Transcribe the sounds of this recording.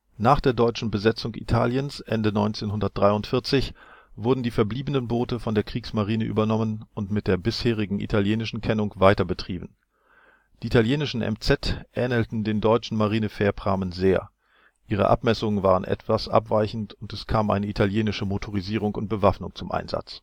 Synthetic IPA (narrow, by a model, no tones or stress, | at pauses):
naːχd̥eːɐdɔʏt͡ʃn̩bəzɛt͡sʊŋʔḭtʰa̰ːljənsʔɛ̰ndənɔʏnt͡seːnhʊndɐt̚d̥ʁaɪʊntfɪɐt͡sɪçv̥ʊɐdn̩diːfɛɐbliːbənənboːtəfɔndeːɐkʁ̥iːksmaʁiːnəʔy̰ːbɐnɔmənʊntmɪt̚d̥eːɐbɪsheːʁ̞ɪɡŋ̩ʔḭtʰaljeːnɪʃn̩kʰɛnʊŋkv̥aɪtɐbətʁ̥iːbn̩ | d̥iːitʰaljeːnɪʃn̩ʔɛ̰mt͡sɛtʔɛːnəltn̩deːndɔʏt͡ʃn̩maʁiːnəfɛːɐpʁ̥aːmənzeːɐ | ʔʔiːʁ̞ə̰ʔa̰pmɛsʊŋənvaːʁənʔɛ̰tv̥asʔa̰pv̥aɪçn̩tʊntɛskʰaːmʔa̰ɪnəitʰaljeːnɪʃəmotʰoʁ̞iziːʁʊŋkʊnt̚b̥əvafnʊŋt͡sʊmʔa̰ɪnza̰t͡s